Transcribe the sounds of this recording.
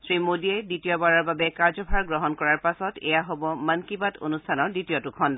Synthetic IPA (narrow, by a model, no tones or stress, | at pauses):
sɹimodiɛditijɔbaɹaɹbabɛkaɹzɔbʱaɹɡɹɔɦɔnkɔɹaɹpasɔtɛ̰jaɦobɔmankibatʰo̰nustʰanɔɹditijɔtukʰɔnd